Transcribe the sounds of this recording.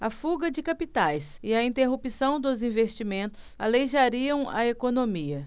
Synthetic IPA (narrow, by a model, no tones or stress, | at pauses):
ɐfuɡɐd͡ʒɪkapit̪ajsɪɐĩt̪eɦupisɐ̃w̃d̪ʊzĩvest͡ʃimẽnt̪ʊ̥sa̰lejʒaɾiɐ̃w̃ɐ̰ekonõmiɐ